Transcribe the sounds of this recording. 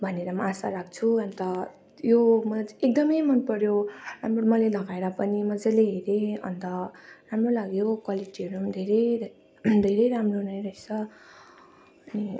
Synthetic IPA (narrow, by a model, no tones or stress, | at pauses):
bʱʌneɾʌmʌasa̰ɾak̚ʰt͡sʰuʌnt̪ʌ | jomʌlajek̚d̪ʌmʌjmʌnpʌɾjoɾamromʌlelʌɡaeɾʌpʌnimʌd͡zaleɦeɾẽʌ̰nd̪ʌramrolaɡjokwaliʈiʌɾud̪ʱeɾʌjʱ | d̪ʱeɾʌjɾamronajɾʌet͡sʰʌ | ʌni